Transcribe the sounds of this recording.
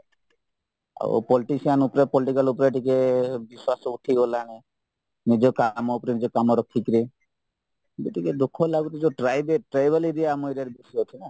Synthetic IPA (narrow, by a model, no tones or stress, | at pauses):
a̰w̰pɔliʈisianupɾepɔliʈikalup̬ɾeʈikebiswasɔuʈʰiɦolañe | nid͡ʒɔkamɔupɾinid͡ʒɔkamɔɾɔkʰːikɾi | biʈiked̪ukʰːɔlaɡut̪id͡ʒoʈɾajbeʈɾajbeliɾiamɔjɾeɾbisɔt̪ʰina